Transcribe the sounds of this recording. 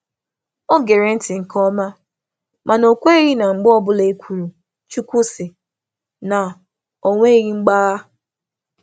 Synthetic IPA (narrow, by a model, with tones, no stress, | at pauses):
o˦ɡe˨ɾe˨n̩˦tɪ˨ŋ̩˨kɔ˦ma˦ | mʔa˨no˨kʷe˦e˦ɣi˦na˨ŋ͡m̩˨ɡ͡bɔ˦bʊ˦le˨˦kʰʷu˨ɾu˨ | t͡ʃu˦kʷu˦sɪ˨ | na˨ | o˨ŋʷe˦ɣi˦ŋ͡m̩˦ɡ͡ba˦ɣa˦